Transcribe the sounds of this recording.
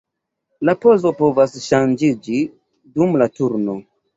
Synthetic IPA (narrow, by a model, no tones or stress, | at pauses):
lapo̞zo̞po̞vasʃand͡ʒid͡ʒi | dumlatuɾno̞